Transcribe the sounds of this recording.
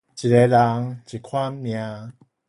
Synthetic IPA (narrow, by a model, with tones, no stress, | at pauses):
t͡ɕi˨˩e˨˦la˨˧˦ŋt͡ɕi˨˩kʰwa˦˥nmjã˧˦